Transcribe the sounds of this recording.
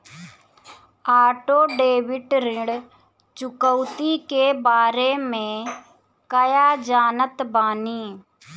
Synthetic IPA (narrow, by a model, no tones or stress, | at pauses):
aːʈoːɖeːʋɪʈɾɪ̃ɽ | t͡ʃʊkəʊt̪iːkeːbaːɾeːmẽː | kəjaːd͡ʒaːnət̪baːniː